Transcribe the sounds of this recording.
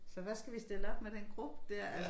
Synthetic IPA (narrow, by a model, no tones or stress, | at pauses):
sɒ̽ʋæsɡ̥æʋisd̥e̝ləɒ̽b̥med̥enɡ̥ʁub̥əd̥æɐ̰æ